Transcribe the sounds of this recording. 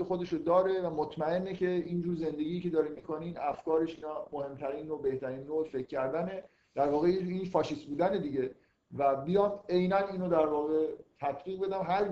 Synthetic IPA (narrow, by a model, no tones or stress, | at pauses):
exod̪eʃod̪ɒːɾe̞væmot̪ʰmæe̞nːecʰe̞ind͡ʒuːɾze̞nd̪e̞ɡʲiːcʰe̞d̪ɒːɾinmiːkʰoninæfkɒːɾe̞ʃiːnɒːmohe̞mt̪ʰæɾiːnɾobe̞ht̪ʰæɾiːnːoːefe̞cʰːæɾd̪æne̞ | d̪̥æɾvɒːɣejeiːnfɒːʃist̪buːd̪æne̞d̪iɟe̞ | væbijɒːme̞jnæniːnod̪æɾvɒːɣe̞t̪ʰæt̪ʰbiːɣbe̞d̪æmɦæɾ